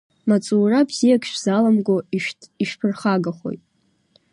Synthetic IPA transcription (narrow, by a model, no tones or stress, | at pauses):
mat͡sʼuːrabz̥ijakʰʃʷᶣz̥alamɡʷoʃiʃpʰɨrχaɡaχo̞̰jtʼ